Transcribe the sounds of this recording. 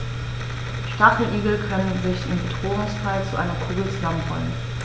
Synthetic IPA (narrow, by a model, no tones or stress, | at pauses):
ʃtafl̩ʔiːɡl̩kʰœnənzɪçɪ̰mbədʁoːʊŋsfʰaɪlt͡suʔa̰ɪnɐkʰuːɡl̩t͡suzamənho̰lə̰n